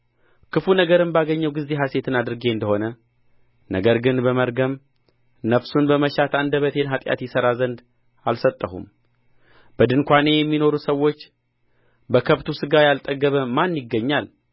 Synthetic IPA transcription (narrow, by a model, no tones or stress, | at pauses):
kʰɨfunəɡəɾɨnbaɡəɲːəwɡɨzːe̞ɦase̞t̪ʰɨnad̪ɨɾɨɡe̞ɨnd̪əho̞nə | nəɡəɾɡɨnbəməɾɡəm | nəfsunbəməʃat̪ʰand̪əβət̪ʰe̞nɦat̪ʼja̰t̪jɪsəɾazənd̪ | alsət̪ʼːəhṵm | b̥əd̪ɨnkʷane̞jɛmːino̞ɾusəwːo̞t͡ʃː | bəkʰəβt̪ʰusɨɡajalt̪ʼəɡːəβəmanjɪɡːəɲːal